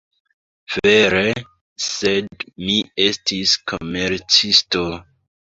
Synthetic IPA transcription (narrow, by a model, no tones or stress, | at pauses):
v̥eɾe | sedmie̞stiskʰomeɾt͡sisto